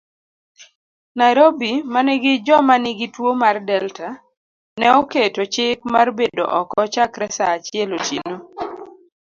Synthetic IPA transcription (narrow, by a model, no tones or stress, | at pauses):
naɾobimanɛɡɪd͡ʒɔmanɪɡɪtwomardɛlta | nɛɔketot͡ʃɪk̚marbedo̰ʔɔkɔt͡ʃakɾɛsaːt͡ʃɪɛlot͡ʃḭno